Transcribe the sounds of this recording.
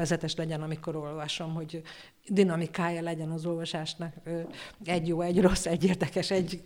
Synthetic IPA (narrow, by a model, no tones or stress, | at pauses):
ɛzɛt̪ɛʃlɛɟɛnɒmiko̞ɾo̞lvɒʃo̞mɦo̞ɟ | d̪inɒmikaːjɒlɛɟɛnɒzo̞lvɒʃaːʃnɒkː | ɛɟjoːɛɟro̞sːɛɟːeːrd̪ɛkɛʃɛɟ